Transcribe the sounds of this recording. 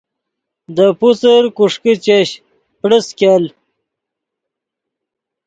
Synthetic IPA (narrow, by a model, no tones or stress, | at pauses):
d̪əput͡səɾkuʂkit͡ɕeɕ | pɽəskal